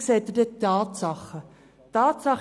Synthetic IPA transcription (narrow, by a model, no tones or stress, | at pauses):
sɛt̪ərdətɑːtsɑχə | tɑːtsɑχ